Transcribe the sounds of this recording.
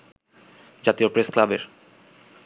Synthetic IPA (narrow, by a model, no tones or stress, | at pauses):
d͡ʑat̪iopɾesklabḛɾ